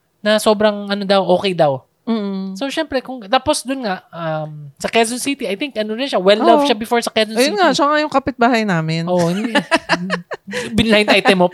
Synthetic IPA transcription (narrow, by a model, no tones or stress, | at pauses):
nɐso̞ːbɾɐŋʔɐnod̪ɐwʔo̞ːkɛjd̪ɐw | m̩ːso̞ʃɛmpɾɛkʊŋt̪aːpo̞sd̪ʊnŋaʔɐmsɐkɛsonsit̪iɐjt̪ɪŋkʔɐnoɾɪnʃawɛlːavʃabɪfoɹsɐkɛsɔnjʊŋaʃaŋajʊŋkɐpɪt̪̚baːhɐjnaːmɪnʔoʔhɪnd̪i | bɪnlaɪ̃nʔajt̪ɛmo